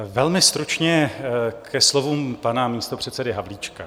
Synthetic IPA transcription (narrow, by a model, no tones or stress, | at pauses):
vɛlmɪst̪ɾut͡ʃɲɛkʰɛslo̞vuːmpanamiːst̪opr̝̥ɛt̪sɛdɪɦavliːt͡ʃka